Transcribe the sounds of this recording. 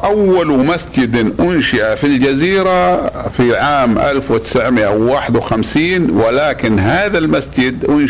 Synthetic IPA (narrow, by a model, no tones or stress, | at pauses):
ʔawːalmasd͡ʒɪd̪ʔʊnʃɪʔafild͡ʒaziːɾafiʕaːmʔa̰lfwɪt̪ɪ̥sʕmɪʔawːaːħɪd̪wxamsiːnwɪlaːkɪnhaːðalmasd͡ʒɪd̪ʔʊn